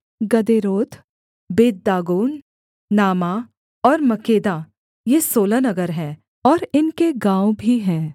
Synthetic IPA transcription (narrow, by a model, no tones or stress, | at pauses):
ɡɐd̪eːɾoːt̪ | beːd̪̚d̪aːɡoːn | naːma | ɔːɾmɐkeːd̪a | jesoːlanɐɡəɾɦɛ̃ː | ɔːɾɪnkeɡãːobʱiɦɛ̃ː